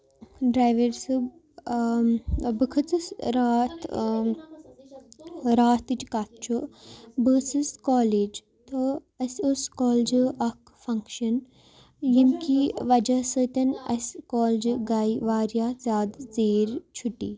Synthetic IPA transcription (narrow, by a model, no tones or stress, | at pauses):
ɖɾaːjʋeɾsɨb | bɨkʰɨt͡sɨsɾaːt̪ | ɾaːt̪ɨt͡ʃkat̪̚ʰt͡ʃʰubəːsɨskaːleːd͡ʒ | t̪ɨ | ɐsʲuskoːld͡ʒɨʔɐk | fɐŋkʃɐn | jimkiʋɐd͡ʒɐsət̪ʲɐnɐ̰sʲkoːld͡ʒɨɡaːjʋaːɾjaːzaːd̪zeːɾt͡ʃʰuʈḭː